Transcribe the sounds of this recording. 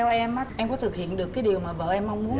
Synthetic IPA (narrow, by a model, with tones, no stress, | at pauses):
ɛ˧wʔɛ˧m˨˦˥ʔɛ˧mkɔ˨˦t̪ʰɨ˨˩k̚hḭ˧˨ənɗɨ˨˩əkːaː˨˦jɗi˨˩əwmaː˨˩və̰ː˧˨ʔɛ˧mːa˧wŋ͡mmu˨˦ən